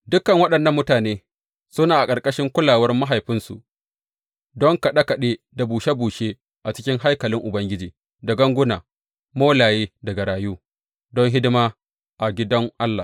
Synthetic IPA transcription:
dʊ˦kɐ˨ŋwɐ˦ɗɐ˨nːɐ˦mːʊ˦taː˨neː˦ | sʊ˦naː˨ʔa˨kʼɐ˨rkʼɐ˦ʃɪ˦ŋkʷʊ˦laː˨wɐ˦rma˦ɦa˨jɸɪ˦nsṵ˨ʔ | dɔ˦ŋka˨ɗɐ˦ka˨ɗeː˦ | da˨buː˨ʃa˦buː˨ʃeː˦ | ʔa˨t͡ʃɪ˦kʲɪ˦ŋɦa˦jkɐ˨lɪ˦ŋʔʊ˨bɐ˦ŋɡʲɪ˦d͡ʒiː˨ | da˨ɡɐ˦ŋɡʷʊ˦na̰ː˨ | moː˦laː˨jeː˦dɐ˨ɡa˨ɾaː˨juː˦ | dɔ˦ŋɦɪ˦dɪ˦maː˦ | ʔa˨ɡʲɪ˦dɐ˦ŋʔa˦lːa̰˨

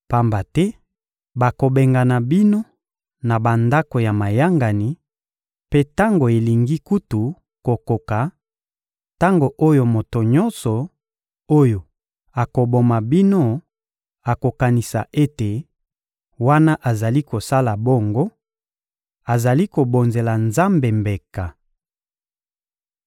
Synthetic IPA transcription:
pa˦mba˨tɛ˦ | ba˨ko˨be˨ŋɡa˨na˨bi˦no˦ | na˨ba˨nda˦ko˨ja˨ma˨ja˦ŋɡa˨ni˨ | pe˦ta˦ŋɡo˨e˨li˨ŋɡi˦ku˦tu˨ | ko˨ko˨ka˨ | ta˦ŋɡo˨ʔo˦jo˦mo˨to˨ɲɔ˦nsɔ˨ | o˦jo˨ | a˨ko˨bo˨ma˨bi˦no˦ | a˨ko˨ka˨ni˨sa̰˨ʔe˦te˨ | wa˦na˦ʔa˨za˨li˦ko˨sa˦la˨bo˦ŋɡo˦ | a˨za˨li˦ko˨bo˨nze˨la˨nza˦mbe˨mbe˨ka˨

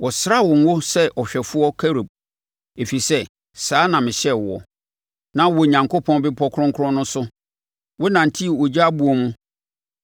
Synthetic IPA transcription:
wɔ˨sɾa˦wɔ˨ŋ˦wo˦sɛ˦ʔɔ˨ɕᶣɛ˨fʊ˦ɔ˦kʰæ˦ɾo˨b̚ | e˨fi˨sɛ˦ | saː˨˦nã˨mɪ̃˨ɕɛ˦wɔ̰˨ | nã˦wɔ˨ɲã˨ŋkʰo˦pʰɔ̃˦nbɪ˦pʰɔ˦kʰʊ˦ɾɔ̃˦ŋkʰʊ˦ɾɔ̃˦nʊ̃˦sʊ˦ | wɔ˦nã˨n̩˨tʰi˦˨wɔ˨d͡ʑa˦a˦bu˦ɔ˨mũ˦

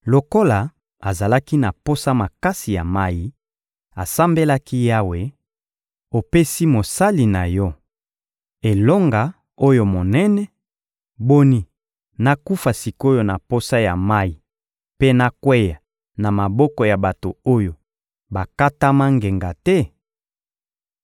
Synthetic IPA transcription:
lo˨ko˦la˨ | a˨za˨la˦ki˦na˨po˦sa˦ma˨ka˦si˨ja̰˨ma˦ji˨˦ | a˨sa˦mbe˦la˦ki˦ja˦we˨ | o˨pe˦si˦mo˨sa˦li˨na˨jɔ˦ | e˨lɔ˦ŋɡa˨ | o˦jo˨mo˨nɛ˦nɛ˨ | bo˦ni˦ | na˦ku˦fa˨si˨ko˦jo˦na̰˨po˦sa˦ja˨ma˦ji˨ | pe˦na˦kwɛ˦ja˨ | na˨ma˨bɔ˦kɔ˨ja˨ba˨to˨o˦jo˨ | ba˨ka˦ta˦ma˦ŋɡe˨ŋɡa˨tɛ˦

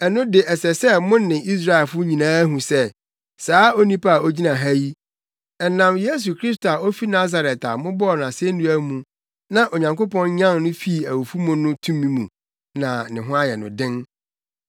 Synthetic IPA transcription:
ɛ˨nʊ̃˦dɪ˨ʔɛ˨sɛ˨sɛ˦mʊ̃˦n˦nɪ̃˨i˦s̬ɾa˦ɛ˨lfʊ˦ɲĩ˨nãː˦ɦũ˨sɛ˦ | saː˦o˦nĩ˦pa˦a˨o˦d͡ʑi˦nã˨ɦæ˦ji˦ | ɛ˨nã˨mje˦s̬u˨kʰɾi˦s̬to˨a˨o˦fi˦na˦za˨ɾɛ˨ta̰˨mʊ̃˦bɔ˦˨nã˨se˦n˦ũ˦æ˦mũ˨ | nã˦ʔo˨ɲã˨ŋko˦pɔ̃˦nɲã˦nnʊ̃˦fi˦˨æ˨wu˨fu˦mʊ̃˨nʊ̃˦tʰũ˦mːĩ˦mṵ̃˨ | nã˨nɪ̃˨ɦʊ̃˦a˦jɛ˨nʊ̰̃˨dɪ̃˦n

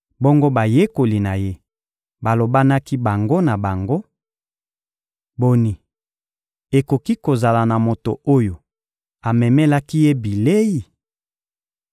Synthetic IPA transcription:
bo˦ŋɡo˦ba˨je˦ko˨li˨na˨je˦ | ba˨lo˨ba˦na˦ki˦ba˨ŋɡo˦na˨ba˨ŋɡo˦ | bo˨ni˨ | e˨ko˨ki˦ko˨za˨la˨na˨mo˨to˨o˦jo˨ | a˨mɛ˨mɛ˦la˦ki˦je˦bi˨le˦ji˨

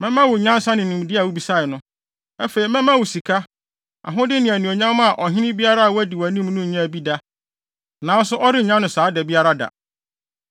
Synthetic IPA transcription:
mɛ̃˦mã˦wʊ˨ɲã˦n˦sa˦nɪ̃˨ĩ˨m˨dɪ˦a˨wu˦bi˨sa˦˨ɪ˨nʊ̃˦ | ɛ˦fe˨i˨mɛ̃˦mã˦wʊ˨si˨kʰa˦ | a̰˨ɦʊ̃˦dɪ˦nɪ̃˨æ˨nũ˨o˨ɲã˦m˦a˨ʔɔ˨ɦɪ̃˦nɪ̃˦bi˦a˦ɾa˦a˨wʊ˦æ˦dɪ˨wæ˨nĩ˦m˦nũ˦˨ɲã˦˨bi˦da˦ | nã˨˦n˦sʊ˦ʔɔ˦ɾɪ˦˨ɲã˦nʊ̃˨saː˨˦dɛ˨bi˦a˦ɾa˦da̰˨

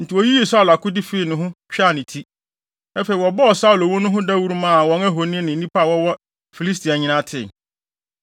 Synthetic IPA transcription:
n̩˨tʰɪ˨wɔ˨ji˦i˦˨sa˦˨la˨kʊ˦di˦fe˦˨nʊ̃˨˦ɦʊ̃˦t͡ɕᶣa˦˨nɪ̃˨tʰi˦ | ɛ˦fe˨i˨wɔ˨bɔ˦ɔ˨sa˦˨lo˨wʊ˦nʊ̃˦ɦʊ̃˦da˦wu˦ɾu˦mã˦˨wɔ̃˨˦næ˦ɦo˨nɪ̃˦nɪ̃˨˦ĩ˦pa˦˨wɔ˦wɔ˦ | fi˨li˦s̬tʰi˨a˨ɲɪ̃˦nã˦tʰɪ̰˦˨

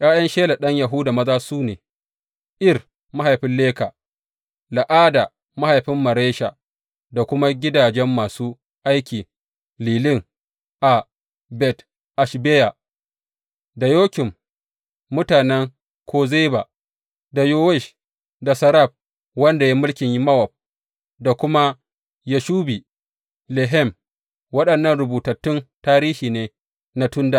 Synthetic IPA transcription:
jaː˦jɐ˦nʃeː˦la˨ɗɐ˦ɲja˨ɦʊ˦da˨mɐ˦zaː˦suː˦neː˨ | ʔɪ˦r | ma˦ɦa˨jɸɪ˦nleː˦ka˨ | la˨ʔaː˦da˨ | ma˦ha˨jɸɪ˦mːɐ˨ɾeː˦ʃa˨ | da˨kʷʊ˦ma˦ɡʲɪ˦daː˨d͡ʒɛ˦mːaː˨suː˦ | ʔa˦jkʲiː˨ | liː˨lɪ˦ŋ | ʔa˨ | bɛ˨t | ʔa˨ʃbeː˦ja˨ | da˨joː˦kʲɪ˨mː | ʊ˦taː˨nɛ˦ŋ | kʷʰoː˦ze˦ba˨ | da˨jo˦wɛ˦˨ʃ | da˨sɐ˨ɾa˦˨b̚ | wɐ˦nda˨ja˦mʊ˦lkʲɪ˨ɲji˦mɐ˦wɔ˨p̚ | da˨kʷʊ˦ma˦ | ja˦ʃuː˦bi˨ | lɛ˨ɦɛ˦˨m | wɐ˦ɗɐ˨nːɐ˦˨nɾʊ˨buː˨tɐ˨tːʊ˦ntaː˦ɾiː˦hiː˨neː˦ | na˦tʊ˦nda˨

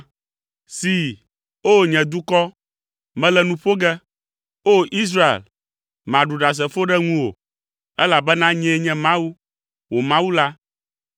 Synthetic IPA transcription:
si˨ | o˦ɲɛ̃˨d̪u˦kɔ˦ | mɛ̃˦lɛ˨nũ˦ɸo˦ɡɛ˦ | o˦ʔi˦s̬ɾa˦ḛ˨l | mã˨ɖu˨ɖa˨s̬ɛ˨fo˦ɖɛ˦ŋũ˦wo̰˨ | ɛ˦la˨bɛ˦nã˦ɲɛ̃˦ɲɛ̃˦mã˦wu˦ | wo˨mã˦wu˦la˦

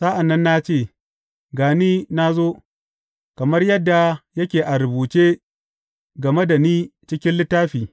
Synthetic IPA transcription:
sa˦ʔa˨nːɐ˦nːa˦t͡ʃeː˦˨ | ɡaː˨niː˦na˦zoː˦ | kɐ˨mɐ˦rjɐ˦dːa˨jɐ˦kʲeː˨ʔa˨ɾʊ˨buː˨t͡ʃeː˦ | ɡɐ˨me˦da˨niː˦t͡ʃɪ˦kʲɪ˦nlɪ˦tːaː˦ɸiː˨

